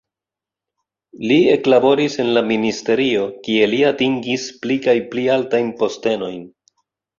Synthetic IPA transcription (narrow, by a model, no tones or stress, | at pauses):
lie̞klabo̞ɾise̞nlaministe̞ɾio̞kie̞liatiŋɡisplikajplialtajnpo̞ste̞no̞jn